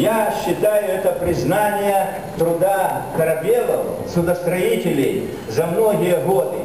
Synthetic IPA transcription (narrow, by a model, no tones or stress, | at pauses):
jaɕːɪt̪ajʊɛt̪əpɾʲɪznanʲɪjə | t̪ɾʊd̪akɐɾɐbʲelˠɐ̰w | sʊd̪əst̪ɾɐitʲɪlʲɪj | zɐmnoɣʲɪjəɣod̪ɨ